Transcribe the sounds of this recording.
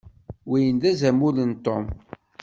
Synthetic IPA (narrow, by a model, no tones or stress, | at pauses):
wijənd̪æzæmulənt̪ːo̰m